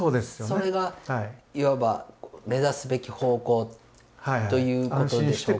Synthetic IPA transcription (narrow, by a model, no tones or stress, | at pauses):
oːd̪esɨ̥joso̞ɾe̞ɡahaiiβabame̞zasɨbe̞kʲiho̞ːko̞ː | hajao̞jɯ̟ːko̞t̪õdeɕɕoeː